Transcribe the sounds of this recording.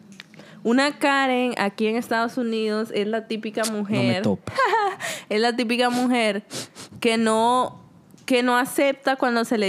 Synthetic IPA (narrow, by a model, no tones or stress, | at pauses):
unakaɾeŋa̰kie̞ŋe̞st̪aðo̞suniðo̞se̞slat̪ipikamuxeɾt̪op | eslat̪̬ip̬ikamuxe̞ɾkeno | ke̞no̞ase̞p̚t̪akwand̪o̞se̞le